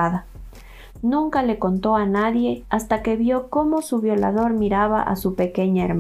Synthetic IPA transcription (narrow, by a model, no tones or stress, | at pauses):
aða | nũŋkale̞ko̞nt̪o̞anaðje̞ast̪ake̞βjo̞ko̞mo̞suβjo̞laðo̞ɾmiɾaβaʔa̰supe̞ke̞ɲaeɾm